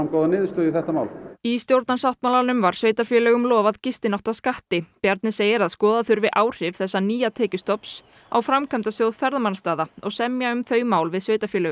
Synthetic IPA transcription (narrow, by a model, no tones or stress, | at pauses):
ankɔːðanɪːðst̪ʏːðiθɛht̪ama̰wlist̪jowɾt̪nansawht̪mawlaɾnʏmvaɾ̥sveːjt̪aɾfjɛːlœɣʏmlɔːvaðcɪst̪ɪnaht̪aðskaht̪ɪpjaɾt̪nɪseːjɪɾaðskɔːðaðθʏɾvɪʔaːwr̥ɪv̥θɛsːaniːat̪ʰɛːcʏst̪ɔps | a̰wfɾamkʰamt̪asjowðfɛɾðamanast̪aːðaɔɣsɛmjaʏmθœːɥmaːwlvɪðsveːjt̪aɾfjɛlɛːɣʏm